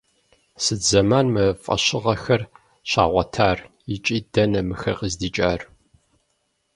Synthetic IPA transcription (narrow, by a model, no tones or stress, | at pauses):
sɨd͡zɐmaːnmɨfʼɐ̰ɕɪʁɐxɐr | ɕa̰ːʁʷɐtʰaːr | ɪt͡ʃʼiːd̥ɐnɐmɨxɐ̰qəzdiːt͡ʃʼaːr